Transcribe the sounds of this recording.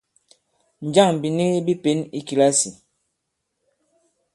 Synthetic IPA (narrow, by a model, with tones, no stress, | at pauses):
n̩˨d͡ʒa˦˨ŋ˨bi˨ni˦bi˦pe˨˦ni˦ki˨la˦si˨